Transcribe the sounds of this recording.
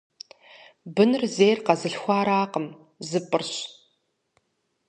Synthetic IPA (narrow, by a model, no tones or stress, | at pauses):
bɨnɨrzejrqɐzɨɬxʷaːɾaːqʼəm | zɨpʼɨrɕ